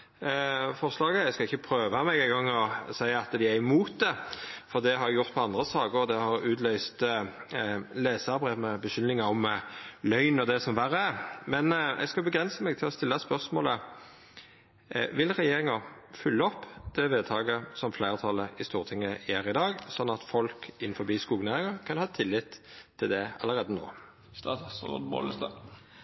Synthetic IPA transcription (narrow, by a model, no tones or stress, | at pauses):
fɔʁslɑːɡəɛskɑɪçːəpʰɾøːʋɑmɛɡæɪɡɑŋːɔsæɪɑt̪d̪ɪæmuːt̪̚d̪ɛfɔʁd̪ɛɦɑɾjɛɡjʊʁt̪pʰɔɑnd̪ʁəsɑːɡəd̪ɛhɑɾʉːt̪ʰlœʏst̪ | leːsɑbʁɛmɛbəʃʏnnɪŋɑɔmlœʏnɔd̪ɛsɔmʋæʁəmɛnɛ̰ɡskɑbəɡʁɛnsəmɛɡt̪ʰɪlɔst̪ɪlːɑspœʁsmo̰ːlə | ʋɪlʁɛjeːɾɪŋɑfʏlːəɔpːd̪̥ɛʋeːd̪̚t̪ʰɑːɡəsɔmflæɪʁt̪ʰɑləɪst̪uːʁt̪ʰɪŋːəæːɾɪd̪ɑːɡsɔnːɑt̪fɔlkɪnːfɔbiːskuːɡnæːʁɪŋɑkʰɑnhɑːt̪ʰɪlːɪt̪ʰːɪld̪ɛɑ̰lːəʁeːd̪əno̰ː | st̪ɑsbo̰ːləst̪ɑ̰